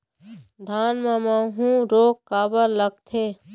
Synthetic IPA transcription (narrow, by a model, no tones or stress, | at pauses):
d̪ʱaːnmãmãɦũɾoːkkaːbəɾləɡ̚t̪ʰe